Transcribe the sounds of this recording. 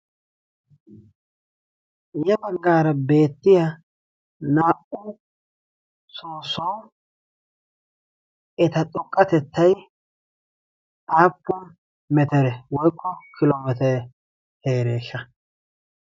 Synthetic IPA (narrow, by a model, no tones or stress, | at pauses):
jɛbɐɡːaːɾɐbe̞ːt̪ːɪja | naːʔʊ | soːsɔw | ʔɛt̪ɐtʼʊkʼːɐt̪ɛt̪ːɐj | aːpːʊn | mɛt̪ɛɾɛwɔjkʰːɔkʰɪloːmɛt̪ɾɛ | heːɾeːʃːɐ